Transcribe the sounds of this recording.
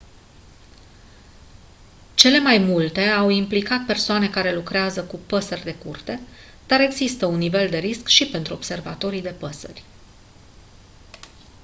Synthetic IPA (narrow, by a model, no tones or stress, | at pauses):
t͡ʃe̞le̞majmult̪e̞awimplikat̪̚pe̞rsoane̞kaɾe̞lukɾeazəkupəsərʲd̪e̞kurt̪e̞ | d̪̥aɾe̞ɡzist̪əunːive̞ld̪e̞ɾiskʃipe̞nt̪ɾuo̞bse̞rva̰t̪o̞ɾid̪e̞pəsə̰rʲ